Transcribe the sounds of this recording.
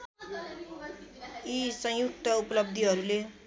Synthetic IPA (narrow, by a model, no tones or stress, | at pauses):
isʌ̃j̃juk̚t̪ʌupʌlʌb̚d̪ʱiɦʌɾule